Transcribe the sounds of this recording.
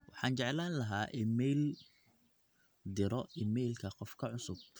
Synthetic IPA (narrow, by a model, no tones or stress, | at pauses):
wɑħɑːnt͡ʃɛʕlaːnlɐɦaːʔɪmɛjl | d̪ɪɾɔɪmɛjlkʰɐqɔfkʰɐʕʊsʊb̥̚